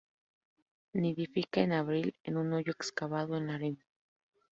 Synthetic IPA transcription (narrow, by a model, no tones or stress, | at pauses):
neðifikaenaβɾilenunojoekskaβaðoenlaɾena